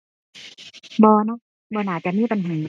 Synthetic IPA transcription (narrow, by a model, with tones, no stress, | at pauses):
bɔː˧nɔ˦˥ | bɔː˧naː˨˩t͡ɕa˨ʔmiː˥˨pa˨nɦaː˨˩˦